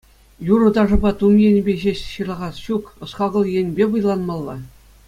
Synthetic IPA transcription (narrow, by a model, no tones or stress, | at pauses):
juɾɤ̆t̪ɑʐɤ̆bɑt̪umjenʲbʲeʑeɕɕɯlˠɑʁɑsɕukɤ̆sχɑɡɤ̆lˠjĕnʲbʲeʋɯ̆jlˠɑnmɑlˠːɑ